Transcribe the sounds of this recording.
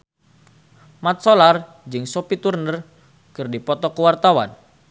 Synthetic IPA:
mat̪̚solar | d͡ʒɨŋsopit̪urnər | kɨrdipɔt̪ɔkəwart̪awa̰n

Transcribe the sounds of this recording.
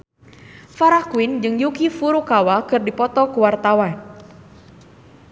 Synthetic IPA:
faɾahkuind͡ʒɨŋjukifuɾukawakɨrdipɔt̪ɔkuwart̪awan

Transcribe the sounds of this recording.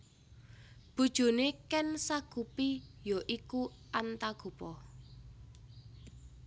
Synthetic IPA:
b̥ṳd̥ʒ̥o̤nekɛnsaɡ̥upijoʔiku | ʔant̪aɡ̥ṳpɔ

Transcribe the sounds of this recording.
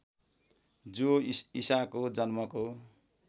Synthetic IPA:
d͡zoisakod͡zʌnmʌko

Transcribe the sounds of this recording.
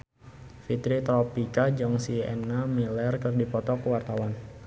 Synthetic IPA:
fit̪ɾit̪ɾɔpikad͡ʒɔŋsiɛ̰nːamilɛrkərdipɔt̪ɔkəwart̪awan

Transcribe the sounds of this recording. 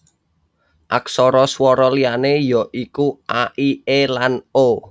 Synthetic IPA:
ʔaksɔɾɔswɔɾɔlianejɔ̤ʔikuʔaʔielano

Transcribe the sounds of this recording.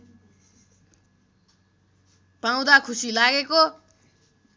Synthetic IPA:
paw̃d̪akʰusilaɡeko

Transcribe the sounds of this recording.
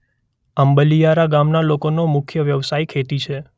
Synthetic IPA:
əmbəlijaɾaɡamnalokonomʊkʰjəʋjəʋsaikʰet̪it͡ʃʰe

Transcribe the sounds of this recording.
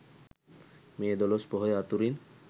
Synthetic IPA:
meːd̪ɔlospɔɦojat̪uɾin

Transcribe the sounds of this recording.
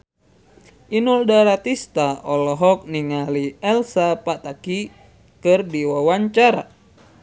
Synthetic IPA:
ʔinuldaɾat̪ist̪aɔlɔɦɔk̚niŋaliɛlsapat̪aki | kɨrdiwawaɲt͡ʃaɾa̰

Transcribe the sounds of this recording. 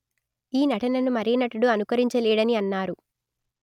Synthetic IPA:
iːnɐʈɐnɐnumɐɾijɐnɐʈɐɽuɐnukɐɾiɲt͡ʃɐlɛːɽɐniɐnːaːɾu

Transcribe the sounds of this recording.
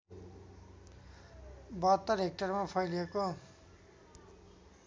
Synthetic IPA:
bʌt̪ːʌrɦek̚ʈʌrmapʰʌjleko

